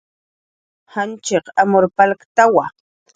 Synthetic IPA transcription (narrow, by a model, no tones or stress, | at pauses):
hant͡ʃeqamoɾpalkt̪awa